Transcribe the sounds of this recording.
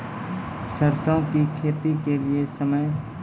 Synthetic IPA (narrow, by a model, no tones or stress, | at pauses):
səɾsə̃kikʰeːt̪ikeliesəməj